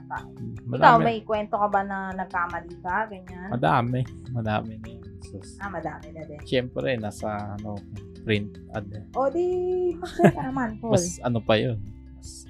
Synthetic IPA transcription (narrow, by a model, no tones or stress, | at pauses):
a̰ʔmɐɪd̪kawmmɐjkwɛnt̪o̞kɐbanɐnɐɡ̚kaɐmɐliːsaɡɐɲanmɐd̪aːmɛ | mɐd̪a̰ːmɪnɐɛsɛsʔamɐd̪aːmɪnɐd̪ɛʃɛmpɾɛnaːsɐɐno | pɾɪnt̪̚ʔɐ̰d̪ɛʔod̪ipsɛk̪ɐnɐmanpomɐslɐnopɐjon | mɐs